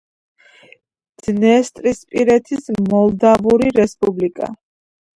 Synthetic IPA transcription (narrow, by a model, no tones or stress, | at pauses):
d̪z̥nɛst̪ʼɾispʼiɾɛt̪ʰismɔlˠd̪avuɾiɾɛspʼublikʼa̰